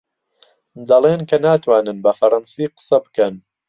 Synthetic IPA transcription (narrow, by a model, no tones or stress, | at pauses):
d̪ɐlˠeːnkɐnaːt̪waːnɨnbɐfɐɾɐnsiːqə̥sɐbɨkɐn